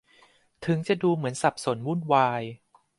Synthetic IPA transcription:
t̪ʰɯ˩˦ŋt͡ɕa˨˩duː˧mɯ˩˦ənsa˨˩p̚so˩˦nwu˥˩nwaː˧j

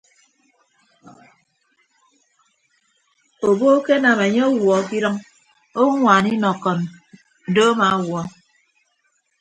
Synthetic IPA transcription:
o˨bo˦ke˦na˨me˨ɲe˦ɔ˦wwɔ˨˦˨ki˦ɾɔ˦ŋ | o˦ŋʷaː˨ni˦nɔ˨kːɔ˨n | n̩˨do˦ma˨˦wɔ˦

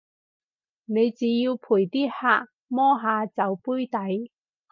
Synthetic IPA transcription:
ne˨˧jt͡siː˨˥jiː˧wpʰuː˨˩jt̪iː˥haː˧˥ʔ̚ | mɔː˥ɦaː˨˧t͡sɐ˨˧wpuː˥jt̪ɐ˨˥j

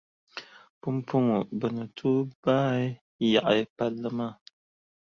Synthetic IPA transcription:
pu˦mpu˦ŋʊ˨bɨ˨nɨ˨tʰuː˦baː˦ | ja˨ʔa˨jpa˦lːɨ˦maː˦˨

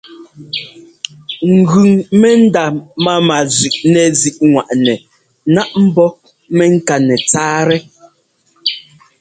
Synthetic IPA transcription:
ŋ̩˨ɡʉ˨ŋmɛ˦n̩˦da˨ma˦ma˨zʉ˨ʔnɛ˨zi˨ʔŋwa˨ʔnɛ˨ | na˦ʔm̩˦bɔ˦ | mɛ˦ŋ̩˦ka˨nɛ˨t͡saː˦ɾɛ˦

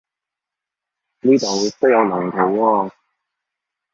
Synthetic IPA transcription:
niː˥t̪ɔː˨˩˨t̪wjɐ˨˧wmaː˨˩ŋt̪ʰa˨˩wɔː˧˩

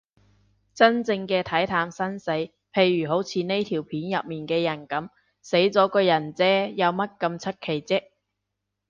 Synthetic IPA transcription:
t͡sɐ˥nt͡sɪ˧ŋkɛː˧t̪ʰɐ˨˥jt̪ʰaː˨˥msɐ˥nse˨˥j | pʰe˨˧jɥyː˨˩ɦo˨˥wt͡sʰiː˨˧ne˥jt̪ʰiː˨˩wpʰiː˨˥njɐ˨p̚miː˨˩nkɛː˧jɐ˨˩nkɐ˨˥m | se˨˥jt͡sɔː˨˥kɔː˧jɐ˨˩nt͡sɛː˥jɐ˨˧wmɐ˥t̚kɐ˧mt͡sʰɵ˥t̚kʰe˨˩jt͡sɪ˥k̚

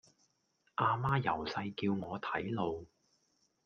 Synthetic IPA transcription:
ʔaː˧maː˥jɐ˨˩wsɐ˧jkiː˧wŋɔː˨˧t̪ʰɐ˨˥jlo˧w

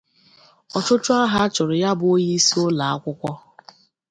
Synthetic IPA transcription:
ɔ˨t͡ʃʊ˦t͡ʃʊ˦a˦ɦa˦t͡ʃʊ˨ɾʊ˨ja˦bʊ˨o˦ɲi˦si˦ʊ˦la˨a˦kʷʊ˦kʷɔ˦

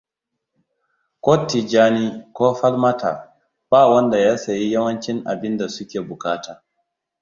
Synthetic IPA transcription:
koː˦tːi˨d͡ʒaː˦ni˦kʷoː˦ɸɐ˦lma˦tʰa̰ː˨ | b̥aː˦˨wɐ˦nda˨jaː˦sa˨ji˦jɐ˦wɐ˦nt͡ʃɪ˦ŋʔa̰˨bɪ˦nda˨sʊ˦kʲeː˨bʊ˨kaː˦taː˨

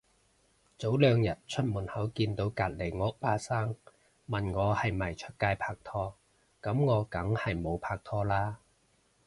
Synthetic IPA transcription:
t͡so˨˥wlœː˨˧ŋjɐ˨˩t̚t͡ʃʰɵ˥t̚muː˨˩nhɐ˨˥wkiː˧nt̪o˨˥wkaː˧˩t̚le˨˩jŋɔː˨˧˥paː˧saː˥ŋ | mɐ˨nŋɔː˨˧hɐ˨jmɐ˨˩jt͡ʃʰɵ˥t̚kaː˧jpʰaː˧k̚t̪ʰɔː˥ | kɐ˨˥mŋɔː˨˧kɐ˨˥ŋhɐ˨jmo˨˧wpʰaː˧k̚t̪ʰɔː˥laː˥

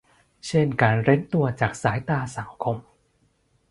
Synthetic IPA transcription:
t͡ɕʰe˥˩nkaː˧nɾe˦˥nt̪u˧ɐt͡ɕaː˨˩k̚saː˩˦jt̪aː˧˩sa˨˩˦ŋkʰo˧m

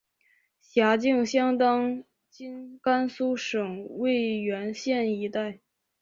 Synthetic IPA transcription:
ɕja˧˥t͡ɕi˥˧ŋɕjɑ˥ŋt̪ɑ˥ŋ | t͡ɕi˥nka˥nsu˥ʂɤ˨˩ŋwe˥˩ɪɥɛ˧˥nɕjɛ˥˩ni˧˥t̪a˥˩ɪ

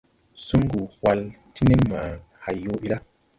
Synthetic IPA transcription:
su˦ŋ˦ɡu˨hwa˧˨lti˦ne˦mma̰˨ʔa˨ | ha˨jo˦bi˦la˦

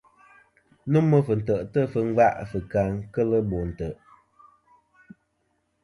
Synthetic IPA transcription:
nu˦mːə˦fɨ˨n̩˨tə˨ʔtə˦˨fɨ˨ŋ̩˦ɡ͡ba˦ʔfɨ˨ka˨ŋkə˦lə˦bo˨n̩˨tə˨ʔ

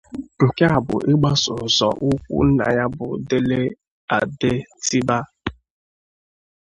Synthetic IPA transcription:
ke˦a˨bʊ̰˨ʔɪ˦ɡ͡ba˦sʊ˨zɔ̰˨ʔʊ˦kʷṵ˦na̰˨ja˦bʊ˨de˦le˦ | a˨de˦ti˦ba˦

